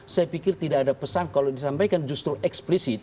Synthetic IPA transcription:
sajapikɪrt̪idaːdapəsankalodisampajkand͡ʒust̪ɾuʔɛksplisɪt̪̚

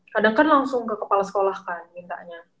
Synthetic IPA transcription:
kadaŋkanlaŋsʊŋkəkəpalasə̥kolahkanmint̪a̰ʔɲa

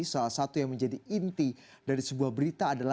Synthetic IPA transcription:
salahsat̪ujaŋməɲd͡ʒadiint̪i | daɾisəbuahbəɾit̪aːdala

